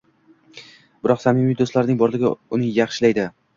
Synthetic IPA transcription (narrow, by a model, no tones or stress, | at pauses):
b̥ɪɾɒqsamɪmijd̪oslaɾnɪŋbɒɾlɪɡʲɪʊnɪjaχʃɪlajd̪ɪ